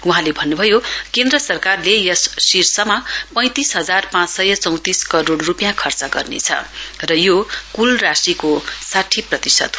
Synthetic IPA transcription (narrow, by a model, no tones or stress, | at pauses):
uɦãlebʱʌnːubʱʌjokend̪rʌsʌrkarlejʌsːirsʌmapʌ̃j̃t̪isɦʌd͡zarpãt͡ssʌjʌt͡sʌ̃w̃t̪iskʌɾoɽrupjãkʰʌrt͡sʌɡʌrnḛt͡sʰʌ̰rʌjokulrasikosaʈʰiprʌt̪isʌ̰t̪